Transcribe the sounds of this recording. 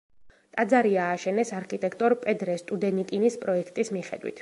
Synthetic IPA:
t̪ʼad̪zaɾiaːʃɛnɛsaɾkʰʼit̪ʼɛkʰt̪ʼɔɾpʼɛd̪ɾɛst̪ʼud̪ɛnikʼinispʼɾɔɛkʰt̪ʼismiχɛ̰d̪wḭt̪ʰ

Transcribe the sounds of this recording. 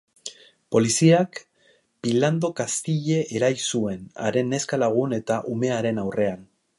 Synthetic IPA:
po̞lisiak | b̥iland̪o̞kast̪iʎe̞ʔːɾajsue̞na̰ɾe̞nːe̞skalaɣ̞une̞t̪aʔume̞aɾe̞nawre̞an

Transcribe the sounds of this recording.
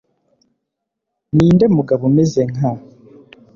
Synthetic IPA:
niːndemuɡaβumezeŋa

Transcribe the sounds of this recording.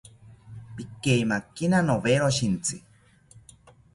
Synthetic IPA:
pikeimakːinanoβeɾoʃint͡si

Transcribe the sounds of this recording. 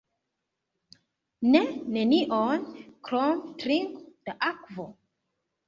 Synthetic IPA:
neneniʔonkɾɔmtɾiŋkd̪aʔakvo

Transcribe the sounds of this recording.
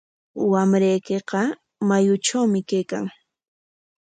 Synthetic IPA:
wamɾajkeqɑ | majʊʈ͡ʂawmɪkajka̰ŋ

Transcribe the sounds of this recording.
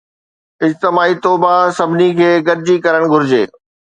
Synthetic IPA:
ɪd͡ʑt̪ɪmaːit̪oːbasɐbʱɪnikʰeːɡɐɾɪd͡ʑikɐɾəɽ̃ɡʱʊɾɪd͡ʑeː

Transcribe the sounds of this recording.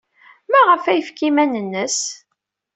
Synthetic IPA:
mæʁəfæjəfkimænənːəs

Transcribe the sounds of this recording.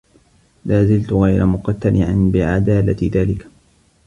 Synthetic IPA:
laːzɪlt̪ʊɣajɾa̰mʊqɑt̪ːalʔɪʕɪnbɪʕad̪aːlat̪ɪðaːlɪk

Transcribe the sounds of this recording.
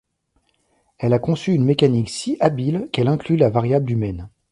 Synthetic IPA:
ɛlakɔ̃syːnmekaniksiʔabilkɛlɛ̃klylavaʁjablymɛn

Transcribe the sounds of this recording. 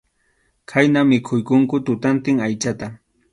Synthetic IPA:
kʰajnamɪkʰʊjkʊŋkʊt̪ʊt̪ant̪ɪŋajt͡ʃat̪a

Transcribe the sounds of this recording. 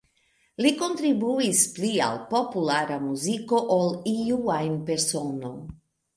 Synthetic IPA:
liko̞nt̪ɾibuisplia̰lpo̞pulaɾamuziko̞ʔoliuajnpe̞ɾso̞no̞̰j

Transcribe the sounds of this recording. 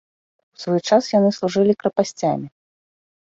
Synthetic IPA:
w̥svɔjt͡ʂasjanɨslˠuʐɨlʲikɾɐpasʲt͡sʲamʲi

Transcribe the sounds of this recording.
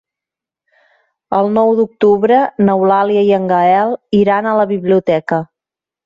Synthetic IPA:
əlˠnɔwd̪uk̚t̪uβɾənəwlaliəiəŋɡəɛlˠiɾanələβiβliut̪ɛkə

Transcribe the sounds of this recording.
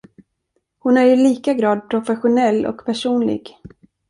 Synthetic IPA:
hʊnæɾjɵliːkaɡɾɑːd̪̚pʰɾʊfɛɧʊnɛlːɔ̰kpʰæʂuːnlɪ̰ɡ

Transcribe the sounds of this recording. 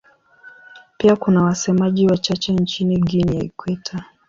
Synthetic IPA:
piakunawasɛmaʄiwat͡ʃat͡ʃɛnt͡ʃiniɡiniaikwɛtʰa

